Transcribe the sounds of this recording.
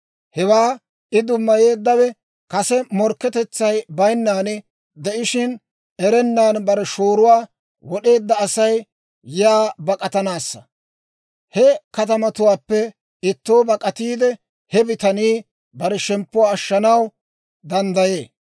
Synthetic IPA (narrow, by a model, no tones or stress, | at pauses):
hɛwaː | ʔɪd̪ʊmːɐje̞ːd̪ːɐwɛ | kɐsɛmɔɾkːɛt̪ɛt͡sːɐjbɐjnːaːnɪ | d̪ɛʔɪʃɪn | ɛɾɛnːaːnbɐɾɛʃoːɾʊwaː | wɔɗe̞ːd̪ːɐːsɐj | jaːbɐkʼɐt̪ɐnaːsːɐ | hɛkɐt̪ɐmɐt̪ʊwaːpːɛ | ɪt̪ːo̞ːbɐkʼɐt̪iːd̪ɛ | hɛbɪt̪ɐniː | bɐɾɛʃɛmpːʊwaːʃːɐnɐw | d̪ɐnd̪ɐje̞ː